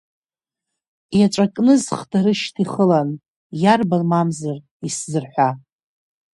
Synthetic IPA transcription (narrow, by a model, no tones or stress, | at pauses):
jaʈ͡ʂʷʼakʼnɨzχdaɾɨʃtʰiχəlan | jarbalmamzar | iszɨrħʷa